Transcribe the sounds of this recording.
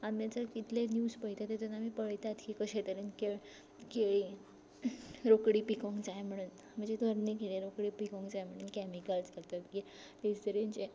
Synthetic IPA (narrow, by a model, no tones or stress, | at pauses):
amjat͡səɾkit̪lenjuːspəɦit̪at̪et̪unamipəɭjt̪aad̪kʰikəɕet̪əɾenkeɭ | keɭi | ɾokɽiːpikɔŋɡt͡sajm̤əɽ̃uːn | m̤əɳd͡zed̪ʱʋəɾnikeɭiɾokɽiːpikɔ̃ŋɡd͡zajm̤əɽ̃uːnkɛmikəlskeɾt̪əmki | lesd̪əɾent͡ɕe